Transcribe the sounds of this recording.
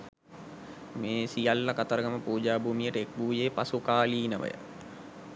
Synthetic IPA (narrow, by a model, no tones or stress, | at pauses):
meːsijalːakat̪əɾəɡəməpuːd͡ʒaːbʱuːmijəʈəek̚buːjeːpasukaːliːnəʋə̰jə̰